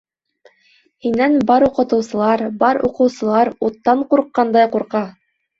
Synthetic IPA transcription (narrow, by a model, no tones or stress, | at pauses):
hinænbɑɾuqɤ̆t̪ɤ̆wsɤ̆lˠɑɾbɑɾuqɤ̆wsɤ̆lˠɑɾut̪ːɑɴquɾqːɑnd̪ɑjquɾqɑ